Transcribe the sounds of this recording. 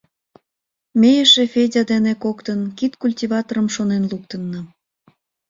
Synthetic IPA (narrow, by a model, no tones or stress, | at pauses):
mʲejeʃefedʲɑd̪enekokt̪ənkit̪kulʲtʲivɑt̪oɾəmʃonenlukt̪ənːə